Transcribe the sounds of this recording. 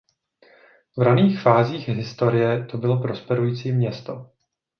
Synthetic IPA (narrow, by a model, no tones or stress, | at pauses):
vɾaniːxfaːziːxɦɪst̪o̞ɾɪjɛt̪o̞bɪlo̞pɾo̞spɛɾujiːt͡siːmɲɛst̪o